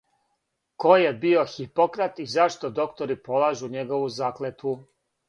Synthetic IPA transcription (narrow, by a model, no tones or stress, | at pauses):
ko̞jebio̞xipokɾat̪izaʃt̪o̞d̪o̞kt̪oɾipo̞lˠaːʒuɲeɡo̞ʋuzaːklet̪u